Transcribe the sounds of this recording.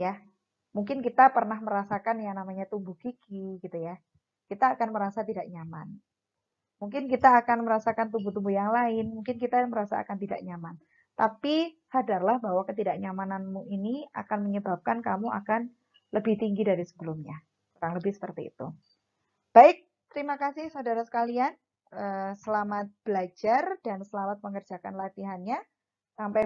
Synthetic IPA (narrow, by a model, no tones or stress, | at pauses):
ja | muŋkɪnkit̪apərnahməɾasakanjaŋnamaɲat̪umbuɡ̥iɡiɡit̪uja | kit̪aːkanməɾasat̪idaʔɲama̰n | muŋk̬ɪnkit̪aːkanməɾasakant̪umbut̪umbujaŋlaɪnmuŋkɪnkit̪aməɾasa̰a̰kant̪ida̰ʔɲaman | t̪api | hadarlahbawakət̪idaʔɲamananmuinia̰kanməɲəbap̚kankamuʔa̰kan | ləbɪht̪iŋɡidaɾisə̥bəlumɲa | kuɾaŋləbɪhsə̥pərt̪ḭːt̪ṵ | b̥aɪk̚ | t̪əɾimakasɪhsaudaɾasə̥kalian | ʔəsəlamat̪̚b̥əlad͡ʒard̥ansəlamat̪̚pəŋərd͡ʒakanlat̪iɦanɲa | sampa